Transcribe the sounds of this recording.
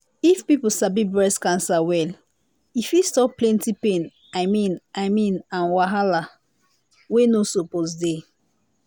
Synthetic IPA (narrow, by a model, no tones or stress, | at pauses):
ifpipl̩sabibɹɛskãnsawɛl | ifjustɔplɛ̃ntipẽn | aɪmĩnaɪmĩnãnwaɦala | wenosoposde